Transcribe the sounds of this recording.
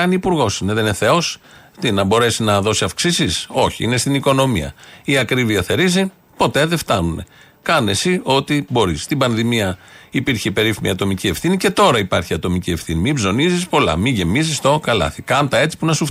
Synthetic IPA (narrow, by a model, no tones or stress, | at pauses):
ɐniipuɾɣo̞sineðeneθe̞o̞s | t̪inɐbo̞ɾe̞sinɐðo̞siɐfksisiso̞çiine̞st̪iniko̞no̞mḭɐ̰iɐkɾiviɐθe̞ɾizi | po̞t̪e̞ðeft̪ɐnune̞̰ | kɐne̞sio̞t̪ibo̞ɾisːt̪ibɐnðimiɐipiɾçepe̞ɾifimḭɐt̪o̞micie̞fθinice̞t̪o̞ɾɐipɐɾçiɐt̪o̞micie̞fθinimibzo̞nizispo̞lɐ̰miʝe̞mizist̪okɐlɐ̰θikɐnt̪ɐe̞t͡si̥punɐsuf